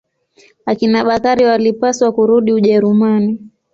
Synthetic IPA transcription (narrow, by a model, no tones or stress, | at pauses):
akinaɓakaɾiwalipaswakuɾuɗiuʄɛɾumani